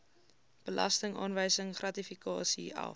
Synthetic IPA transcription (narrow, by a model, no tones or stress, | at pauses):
b̥əlɐ̰stəŋɑ̰ːnvəjsəŋχrɐtifikɑːsḭɐ̰